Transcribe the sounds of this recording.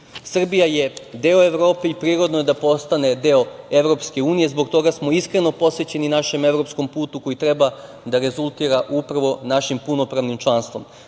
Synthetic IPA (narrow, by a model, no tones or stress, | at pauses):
sr̩bijajed̪eːoe̞ʋɾo̞ːpe̞ipɾiːɾo̞d̪no̞jed̪apo̞st̪ane̞d̪eoe̞ʋɾo̞pske̞uːnije̞zbo̞ɡt̪o̞ɡasmo̞iskɾe̞no̞po̞sʋe̞t͡ɕe̞ninaʃe̞me̞ʋɾo̞psko̞mpuːt̪uko̞jit̪ɾe̞ba | d̪aɾe̞zulˠt̪iːɾaʔupɾʋo̞naʃimpuno̞pɾaʋnimt͡ʃlˠanst̪ʋo̞̰m